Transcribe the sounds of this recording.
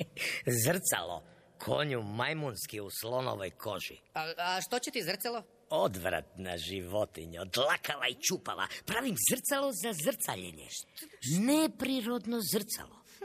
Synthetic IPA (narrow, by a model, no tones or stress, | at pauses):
zr̩t̪sa̰lo̰ | kʰo̰ɲumajmunskiuslo̞no̰ʋojkʰoʒḭaaʃt̪ot͡ɕet̪izr̩t̪salˠo | od̪ʋɾa̰t̪naʒiʋot̪iɲod̪lakalait͡ʃupa̰ʋa̰pɾaːʋimzrt̪salˠozazr̩t̪saʎḛɲḛnepɾiɾo̞d̪nozrt̪sa̰lo̰